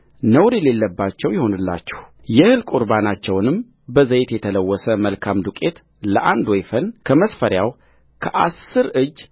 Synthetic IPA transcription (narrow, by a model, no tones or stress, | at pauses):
nəwɾile̞lːəbːat͡ʃːɛwjɪho̞nɨlːa̰t͡ʃːɛ̥h | jɛhɨlkʼuɾbanat͡ʃːɛwnɨm | bəzəjt̪jɛt̪ʰələwːɔsəməlkʰamd̪ukʼe̞t̪ | ləʔand̪wɔjfənkʰəməsfəɾjaw | kʰəʔasːɨɾɨd͡ʒː